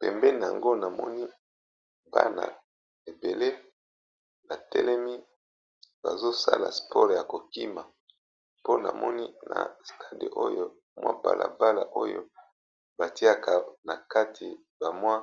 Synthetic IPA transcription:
pɛ̰˨mbɛ˦n˨a˨ŋɡo˦na˨mɔ̰˦ni˦ | ba̰˦na̰˨ | e˨be˨le˦ | na˨tɛ˦lɛ˦mi˦ | ba̰˨zo˦sa̰˦la̰˨spɔ˦ʁja˨ko˨ki˦ma˨ | po˦na̰˨mɔ˦ni˦na̰˨stʰa˦dḛ˨ʔo˦jo˦ | mwa̰˦ba̰˨la̰˨ba˦la̰˨ʔo˦jo̰˦ | ba˨ti˦a˦ka˨na˨ka˦tʰi˨ | ba˨mwa˦

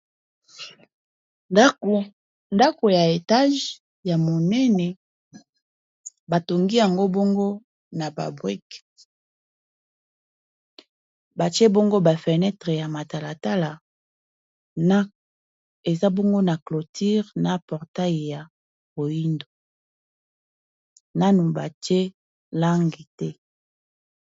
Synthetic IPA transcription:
nda˦ko˨ja˨e˨ta˦ʒ | ja˨mo˨nɛ˦nɛ˨ | ba˨to˨ŋɡi˦ja˨ŋɡo˦bo˦ŋɡo˦ | na˨ba̰˨bwi˦k | ba˨t͡ʃe˦bo˦ŋɡo˦ba˨fe˨nɛ˦tʁe˨ja˨ma˨ta˨la˨ta˦la˨ | na˦ | e˨za˦bo˦ŋɡo˦na˨klo˨tʰi˦ʁna˨pɔ˨ʁta˦ji˨ja˨ | bo˨ji˦ndo˨ | na˦nu˨ba˨t͡ʃe˦ | la˦ŋɡi˨tɛ˦

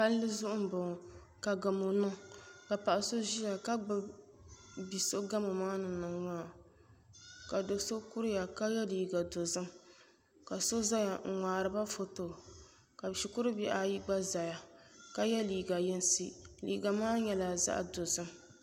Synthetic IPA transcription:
pa˦llɨ˦zʊ˦ʔʊ˦m̩˨bo˨ŋ˨ | ka˨ɡa˨mo˨nɨ˦ka˨pa˨ʔa˨so˦ʒi˦ja˨ka˦ɡ͡bɨ˦b | bi˨so˦ɡa˦mɨ˨maː˦nɨ˨nɨ˨ŋŋaː˦˨ | ka˨do˨˦so˦ku˦ɾɨ˦ja˨ka˦jɛ˦liː˨ɡa˨do˨zɨ˦m | ka˨so˦za˦ja˨ŋ˨ŋʷaː˨ɾɨ˨ba˦fo˨to˨ | ka˨ʃi˨kʊ˦ɾɨ˦bi˦ʔa˨ji˦ɡ͡ba˦za˨ja˨ka˦jɛ˦liː˨ɡa˨jɛ˦n˦si˦lḭː˨ɡa˨maː˦ɲɛ˨la˨za̰˦ʔdo˨zɨ˦m

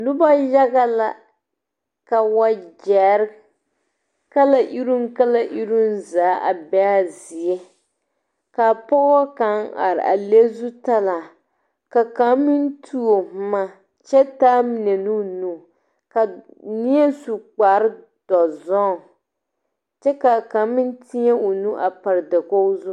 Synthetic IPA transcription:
nu˦ba˦ja˦ɣa˦la˨ | ka˨wa˦d͡ʒɛ˨˦ɾ | ka˦la˦ʔi˦ɾu˦mka˦la˦ʔi˦ɾu˦nzaː˨˦ʔa̰˨bɛ˦a˦zi˨ɛ˦ | ka˨pɔ˦wa˦ka˨˦ŋa̰˨ɾ̰ʔa̰˨le˦zu˦ta˦la˨ | ka˨ka˨˦mːi˦n˦tʰu˦o˨m˦ma˦ | t͡ʃɛ˦taː˦mi˨nɛ˨nu˦nu˦ | ka˨ | ni˦ɛ˦su˨k͡pa˨˦ɾɨ˦ | d̥ɔ˨zɔ˦˨ | t͡ʃɛ˦ka˨ka˨mːi˦n˦ti˦ɲɛ˦o˨nu˦ʔa˨pa˨ɾda˨ko˦zu˦

